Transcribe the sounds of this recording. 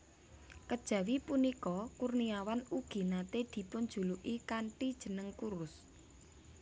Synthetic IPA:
kəd̥ʒ̥ä̤wipunikɔkurniawanuɡ̥i̤nat̪ed̪̥i̤pʊnd̥d͡ʒ̥ṳluʔikaɳʈid̥ʒ̥ə̤nəŋkuɾʊs

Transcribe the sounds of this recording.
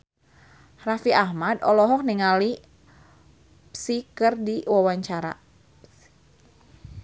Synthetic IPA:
rafiʔahmadɔlɔɦɔk̚niŋali | psikɨrdiwawaɲt͡ʃaɾa̰

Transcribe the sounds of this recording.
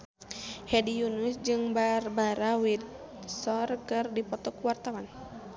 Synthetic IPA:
hɛdijunusd͡ʒɨŋbarbaɾawid̪sɔrkɨrdipɔt̪ɔkuwart̪awan

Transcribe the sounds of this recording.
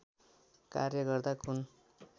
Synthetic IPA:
ka̰rjʌɡʌrd̪akun

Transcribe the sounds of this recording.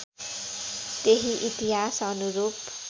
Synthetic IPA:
t̪eɦiʔit̪iɦasʌnuɾuːp

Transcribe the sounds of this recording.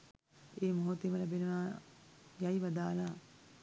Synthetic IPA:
eːmoɦot̪eməlabenəʋaː | jajʋad̪aːlaː

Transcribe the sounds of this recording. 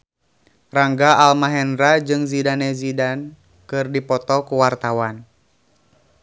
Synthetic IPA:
raŋɡaalmaɦɛnɾad͡ʒɨŋzidanɛzidan | kɨrdipɔt̪ɔkuwart̪awan

